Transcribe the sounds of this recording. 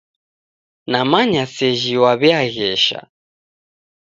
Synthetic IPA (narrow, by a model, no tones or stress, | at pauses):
namaɲasɛʒiwaβɛaɣɛʃa̰